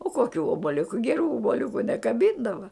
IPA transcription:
oː koːˈkʲuː oːbɐˈlʲʊkʊ ɡʲɛˈruː oːboːˈlʲʊkʊ nʲɛkɐˈbʲiːndɐʋɐ

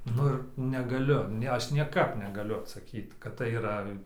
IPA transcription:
ˈnʊ ɪr nʲɛɡɐˈlʲʊ ˈnʲɛ ˈɐʃ nʲiɛˈkɐp nʲɛɡɐˈlʲʊ ɐtsɐˈkʲiːt kɐt tɐɪ iːˈrɐ

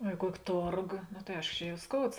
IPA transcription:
oː ɪ ˈkuɔkʲɪ ˈtoːrɡoː noː tɐɪ ˈɐɪʃkoː ˈt͡ʃʲɛ jɛʊ ˈskoːʊts

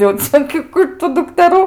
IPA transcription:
jɛʊ ˈt͡sʲɛ ɡʲɪ ˈkuː ɪtʊ dʊktʲɛˈruː

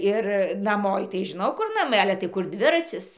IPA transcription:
ɪr nɐˈmoː ɪ tɐɪ ʒʲɪˈnɐʊ ˈkʊr nɐˈmɐɪ ˈɑːlʲɛ tɐɪ ˈkʊr ˈdʲʋʲɪrɐt͡sʲɪs

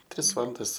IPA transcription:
ˈtʲrʲɪs ˈʋɑːlˠɐndɐs

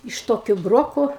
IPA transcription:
ɪʃ ˈtoːkʲʊ ˈbroːkoː

